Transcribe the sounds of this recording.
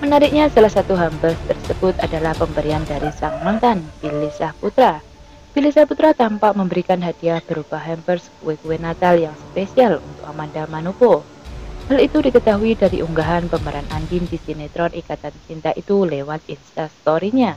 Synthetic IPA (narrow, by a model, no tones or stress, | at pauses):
mənaɾɪk̚ɲasalahsat̪uɦambərst̪ərsəb̥ʊt̪adalahpəmbəɾiandaɾisaŋmaŋt̪anbilisahput̪ɾa | b̥ilisahput̪ɾat̪ampaʔməmbəɾikanɦad̥iahb̥əɾub̥ahɦɛmpərskuwekuwenat̪aljaŋspesialṵnt̪ʊk̚amandamanupo | halit̪udikət̪aɦuidaɾḭʔuŋɡaɦanpəməɾʔanʔandindisinet̪ɾɔnʔikat̪ant͡ʃint̪ait̪ulewat̪̚inst̪ast̪oɾiɲa